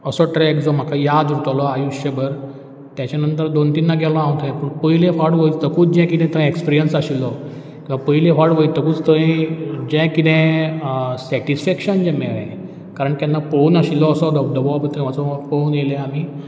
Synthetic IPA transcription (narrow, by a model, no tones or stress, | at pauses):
əsɔʈɾɛkd͡zɔm̤akʰajad̪ɾut̪alɔajuɕjəbəɾ | t̪jat͡ɕanənt̪əɾd̪ont̪inːaɡʱɛlɔãwt̪ʰɛ̃pəɳpəɦilẽfaɽʋəit͡st̪əkũːt͡sd͡ʑɛ̃kit̪ɛ̃t̪ə̃ekspiɾijənsaɕilːɔ | kĩwʋapəɦilẽfaɽʋəit̪əkuːt͡st̪əĩd͡ʑɛ̃kit̪ɛ̃ | sɛʈisfɛkɕənd͡ʑɛ̃mɛɭã | kaɾəɳk̪janːafonaɕilːɔəsɔd̪əd̪əbɔpət̪ɾẽmat͡sɔfonjelɛ̃am̤iː